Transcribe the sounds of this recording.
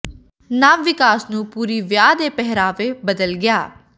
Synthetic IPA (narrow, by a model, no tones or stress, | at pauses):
naːʋɪkaːsnũːpuːɾiːʋjaːd̪eːpɛɦɾaːʋeːbəd̪əlɡɪjaː